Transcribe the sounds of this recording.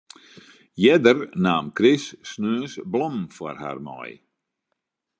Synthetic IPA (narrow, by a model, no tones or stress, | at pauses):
jɛdərnaːmkrɪsːnøːəsblɔmfɔ̰rha̰ːrmɔ̰j